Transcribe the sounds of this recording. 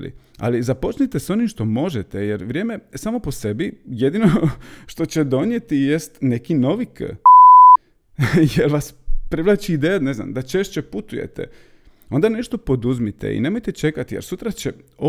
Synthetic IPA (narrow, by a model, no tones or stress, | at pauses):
lḭ | a̰lizapo̞t͡ʃnit̪eso̞nimʃt̪o̞mo̞ʒet̪ejeɾʋɾʲjeːmesaːmo̞po̞sebije̞d̪ino̞ | ʃt̪o̞t͡ɕed̪o̞njet̪ijest̪ne̞kino̞ʋik | jelʋaspɾiʋlˠat͡ɕiːd̪ejanezna̰md̪at͡ʃe̞ʃt͡ɕe̞put̪ujḛt̪ḛ | o̞nd̪ane̞ʃt̪o̞po̞d̪uzmit̪ḛḭne̞mo̞jt̪e̞t͡ʃe̞kat̪ijḛɾsut̪ɾat͡ɕeo